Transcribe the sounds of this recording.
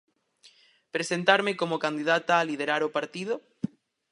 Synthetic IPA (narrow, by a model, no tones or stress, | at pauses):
pɾesent̪aɾmekomokand̪iðat̪aːlið̞eɾaɾopaɾt̪ið̞o